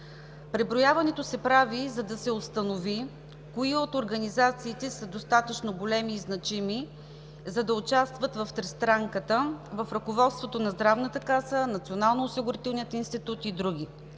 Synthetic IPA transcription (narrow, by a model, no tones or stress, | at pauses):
pɾɛbɾojavɐnɛt̪osɛpɾavizɐd̪ɐsɛost̪ɐnovi | koiot̪oɾɡɐnizat̪siːt̪ɛsɐd̪ost̪at̪ət͡ʃnoɡolɛmiːznɐt͡ʃimi | zɐd̪ɐʊt͡ʃast̪vət̪vɐft̪ɾɛst̪ɾaŋkət̪əvɐfɾɐkovɔt̪st̪vot̪onɐzd̪ɾavnət̪əkasənɐt̪sionalˠnoʊsiɡʊɾit̪ɛlˠnijət̪inst̪it̪ut̪id̪ɾuɡ̟i